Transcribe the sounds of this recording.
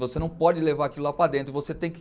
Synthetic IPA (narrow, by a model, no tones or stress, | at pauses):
vosenɐ̃w̃pɔd͡ʒɪlevaɾakilʊlapɾad̪ẽnt̪ɾɪvoset̪ẽj̃k